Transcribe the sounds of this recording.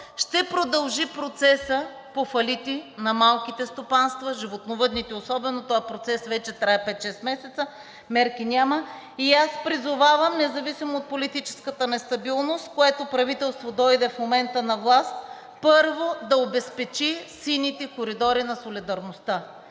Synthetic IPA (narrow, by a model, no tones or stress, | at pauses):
ʃt̪ɛpɾod̪ɐlˠʒipɾot̪sɛsə | pofɐlit̪inɐmalˠkit̪ɛst̪opanst̪vɐʒivot̪novɤd̪nit̪ɛosɔbɛnot̪ɔɛpɾot̪sɛsvɛt͡ʃɛt̪ɾaɛpɛt̪ʃɛst̪mɛsɛt̪sə | mɛɾkinʲamə | iaspɾizʊvavɐmnɛzɐvisimoːt̪̚polit̪it͡ʃɛ̥skət̪ənɛst̪ɐbilˠnost̪koɛt̪opɾɐvit̪ɛlˠst̪vod̪ɔjd̪ɛfmomɛnt̪ənɐvlˠast̪̚ | pɤɾvod̪ɐobɛspɛt͡ʃisinit̪ɛkoɾid̪ɔɾinɐsolid̪ɐɾnost̪a